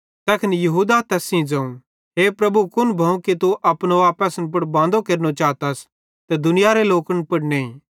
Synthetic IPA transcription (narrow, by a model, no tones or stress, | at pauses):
t̪ɛːkʰɪnjɐɦuːd̪at̪ɛːsĩd͡ʒɐ̃ːũ | ɦeːpɾɐbukʊnbʱɐũkit̪uʔɐpnoʋaːpəsənp̬ʊɽbãːnd̪okeɾnot͡ʃaːt̪as | t̪ɛd̪ʊnɪjaɾeloːkənpʊɽnẽĩː